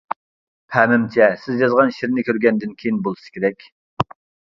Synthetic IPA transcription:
hʰæmɪmt͡ʃʰɛsɪzjɑzʁɑnʃiɾnɪkʲʰøɾɡʲɛnd̪ɪnkʲʰejinbolˠɨsɨ̥z̥kʲeɾɛkʲ

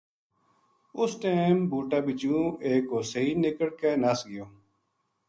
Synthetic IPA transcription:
ʊsʈ̪eːmbuːʈaːbɪt͡ʃũːeːkɦoːsəiːnɪkəɽkeːnəsɡɪjoː

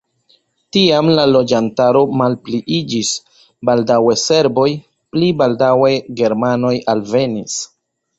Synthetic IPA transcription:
tiamlalo̞d͡ʒantaɾo̞malpliʔid͡ʒis | baldawe̞se̞ɾbo̞j | plibaldawe̞ɡe̞ɾmano̞jalve̞nis

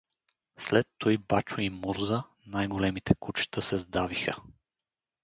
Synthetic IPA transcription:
slɛt̪ːɔjbat͡ʃoimuɾzə | najɡolɛmit̪ɛkut͡ʃt̪əsɛzd̪avixə

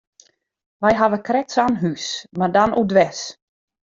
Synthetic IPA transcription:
ʋɛjɦaʋəkrɛsanɦysmardanʔudʋɛs

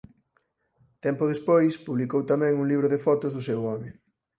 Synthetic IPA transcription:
t̪ɛmpʊðespojspuβlikowt̪amɛ̃ŋuŋliβɾʊðefɔt̪ʊzðʊsɛwɔmɪ

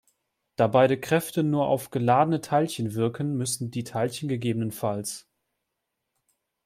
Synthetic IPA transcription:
d̥aːbaɪɾəkʁ̥ɛftənuːɐʔa̰ʊfɡ̥əlaːdənətʰaɪlçənvɪɐkʰən̩mʏsn̩diːtʰaɪlçənɡəɡeːbənənfals

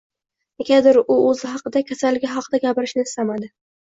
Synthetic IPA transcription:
ekʲad̪ɪɾʊɵzɪɦɑqɨd̪akʲʰasalːɪɡʲɪɦɑqʰɨd̪aɡʲapɪɾɪʃnɪɪst̪amad̪ɪ

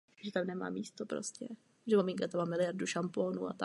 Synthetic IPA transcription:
ʒɛt̪amnɛma̰ːmiːst̪opɾo̰scɛ | ʒɛmamɪŋkat̪amamɪlɪjaɾduʃampoːnṵːa̰t̪a

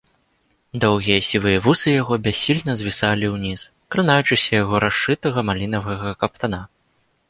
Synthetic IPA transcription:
d̪ɔwɣʲijɐsʲivɨjɐvusɨjaɣɔbʲasʲːilʲnɐzʲvʲisalʲiwnʲis | kɾɨnajut͡ʂɨsʲɐjaɣɔɾaʂɨt̪ɐɣɐmalʲinɐvɐɣɐkɐp̚t̪ana

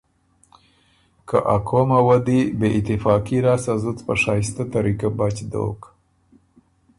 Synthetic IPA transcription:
ka̰ʔakʰomawad̪ibeʔɪt̪ɪfɑkiɾɑsazʊt͡spaʂɑst̪at̪aɾikabat͡ʃd̪o̰k

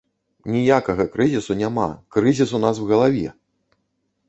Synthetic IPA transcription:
nʲijakɐɣɐkɾɨzʲisunʲama̰kɾɨzʲisunaswɣɐlˠavʲɛ̰

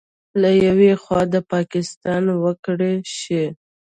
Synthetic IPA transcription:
lajawexwɑd̪əpɑkɪst̪ɑnwəkɽeʃe

